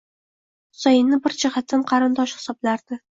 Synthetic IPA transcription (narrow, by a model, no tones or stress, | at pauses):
χʊ̥sajɪnːɪbɪɾd͡ʒɪhat̪ʰːanqʰɑɾɪnd̪ɒʃhɪ̥sɒblaɾd̪̥ɪ